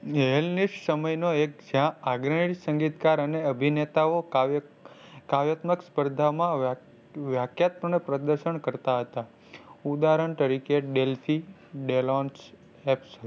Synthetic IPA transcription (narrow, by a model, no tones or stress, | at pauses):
ɦelniʃʈsəməjnoek̚d͡ʒjãaɡɾəɳiʈsəŋɡit̪kaɾəneəbʱinet̪ao | kaʋjat̪məkspəɾd̪ʱamã | ʋjakʰjat̪monepɾəd̪əɾʃəɳkəɾt̪aɦət̪a | ud̪aɾəɳt̪əɾikeɖelfʰi | ɖelɔns | ɛpsə